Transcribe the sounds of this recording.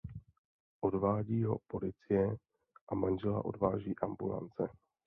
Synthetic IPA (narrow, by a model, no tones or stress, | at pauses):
ʔo̞dvaːɟiːɦo̞po̞lɪt͡sɪjɛ | ʔamanʒɛla̰ʔo̞dvaːʒiːʔambula̰nt͡sɛ